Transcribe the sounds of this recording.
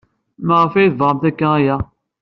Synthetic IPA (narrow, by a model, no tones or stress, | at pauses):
məʁəfæjθvʁəmt̪ækːææjæ